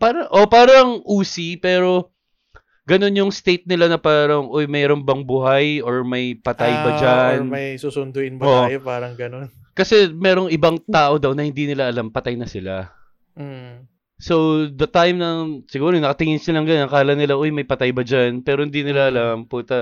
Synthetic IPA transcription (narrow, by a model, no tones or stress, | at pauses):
paːɾɐʔo̞paːɾɐɐŋʔuːsipɛːɾo̞ | ɡɐno̞njʊŋst̪ejt̪̚nɪlanɐpaːɾɐŋʔo̞jmɛːɾo̞nbɐŋbʊɦajo̞ɹmɐjpɐt̪ajbɐd͡ʒanmɐjsusʊnd̪ʊʔɪnboʔjpaːɾɐŋɡɐnon | kɐsɛmɛːɾo̞ŋʔɪbɐŋt̪aːʔo̞d̪ɐwnɐhɪ̃nd̪iːnɪlaʔɐlampɐt̪ajnɐsɪla | so̞wd̪ɐt̪ajmnɐŋsɪɡuːɾonɐkɐt̪ɪŋɪnsɪlɐŋɡanɐkaːlɐnːɪlaʔojmɐjpɐt̪ajbɐd͡ʒanpɛːɾohɪnd̪iːnɪlaʔɐlamput̪ɐ